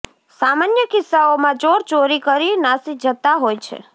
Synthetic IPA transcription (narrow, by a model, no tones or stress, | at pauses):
samanjəkɪsːaomãt͡ʃoɾt͡ʃoɾikəɾinasid͡ʒʱət̪aɦojt͡ʃʰḛ